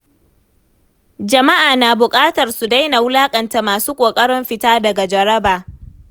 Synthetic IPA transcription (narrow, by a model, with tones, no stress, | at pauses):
d͡ʒɐ˨ma˦ʔaː˨naː˨bʊ˨kʼaː˦tɐ˨rsu˨da˦jna˨wʊ˦laː˦kʼɐ˨nta˨maː˨suː˦kʷʼoː˨kʼɐ˦ɽɪ˦mɸɪ˨taː˦dɐ˨ɡa˨d͡ʒɐ˨ɽɐ˦baː˨